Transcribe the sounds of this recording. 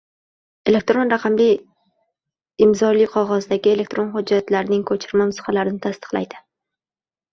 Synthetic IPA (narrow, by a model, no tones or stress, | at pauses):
e̞le̞k̚t̪ɾo̞nɾaqʰɑmlɪj | ɪmzɒlɪjqʰɒʁɒzd̪aɡʲɪe̞le̞k̚t̪ɾo̞nhʊd͡ʒːat̪laɾnɪŋkʰɵt͡ʃʰɪɾmamʊsχalaɾɪnɪt̪ʰast̪ɨ̥qlˠa̰jd̪ɪ̥